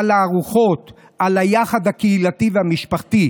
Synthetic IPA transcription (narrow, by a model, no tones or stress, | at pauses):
laːʁuχo̞t̪ | ʔalajaχad̪hakeilat̪iveamiʃpaχt̪i